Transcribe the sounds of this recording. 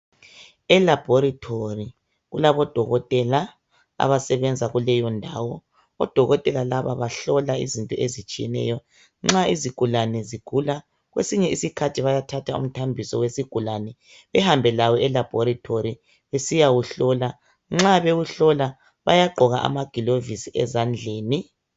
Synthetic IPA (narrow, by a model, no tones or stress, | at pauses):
ɛlab̥ʱɔɾitʰori | ɣulaβɔd̥ʱɔɣɔtʼɛla | a̰βasɛβɛnd͡zʱaɣulɛjɔndʱaːwɔ | ɔ̰d̥ʱɔɣɔtʼɛlalaβaβaɬɔlaizintʼɔʔezit͡ʃʼijɛ̰nɛ̰jɔ | ŋ͡ǁaiziɡ̥ʱulanɛziɡ̥ʱula | ɣwḛsiɲɛisikʰatʰiβajatʰatʰaṵm̩tʰambʱisɔ̰wesiɡ̥ʱulanɛ | βɛhambʱɛlawɔɛlab̥ʱɔɾatʰoɾi | βesijaɣuɬɔla | ŋ͡ǁaβeɣuɬɔla | βa̰jaɡ͡ǃʱɔɣaʔa̰maɡ̥ʱilovisiʔɛzand͡ɮʱeːni